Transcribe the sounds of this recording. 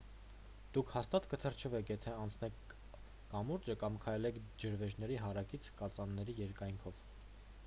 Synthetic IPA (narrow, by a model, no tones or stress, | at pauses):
d̪̥ukʰhɑst̪ɑt̪kət̪ʰərt͡ʃʰəvɛkʰjɛt̪ʰɛɑnt͡sʰn̪ɛkʰː | ɑmuɾd͡ʒəkɑmkʰɑjlɛkʰd͡ʒəɾvɛʒnɛɾiɦɑɾɑkit͡sʰkɑt͡sɑnːɛɾijɛɾkɑjŋkʰɔv